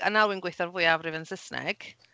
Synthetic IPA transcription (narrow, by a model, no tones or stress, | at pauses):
analˠwɪnɡwɪθɔrvʊɨavrɪvənsɪsnɛ̰ɡ̥